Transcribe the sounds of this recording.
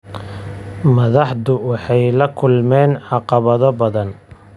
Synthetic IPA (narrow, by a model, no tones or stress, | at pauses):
mɐðɑħd̪ʊwɑħɑjlɐkʰʊlmɛːnʕɑqɑβɐðɔbɐðɐn